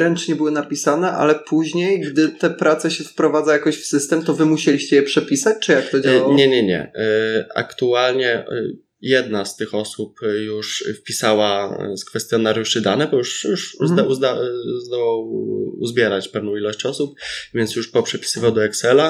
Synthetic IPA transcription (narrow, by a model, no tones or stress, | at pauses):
ɾɛnt͡ʂɲɛbɘwɘnapʲisanɛʔa̰lɛpʰuʑɲejɡd̪ɘt̪ɛpɾat̪sɛɕɛfpɾɔvad̪zajakɔɕfsɘst̪ɛmt̪ɔvɘmuɕelʲiɕt͡ɕɛjɛpʂɛpʲisat͡ɕt͡ʂɨjak̚t̪ɔd͡ʑaɲɛɲɛɲɛ̰ | a̰kt̪ualɲɛ | jɛd̪nast̪ɘxɔsupjuʂfpʲisawaskfɛst̪jɔnaɾjuʂɘd̪anɛbɔjuʂjuʂuzd̪uzd̪azd̪ɔwawṵzbʲjɛɾat͡ɕpɛvn̪ɔ̃w̃ilɔɕt͡ɕɔsup̚vʲjɛnt̪sjuʂpɔpʂɛpʲi̥sɘvawd̪ɔɛksɛla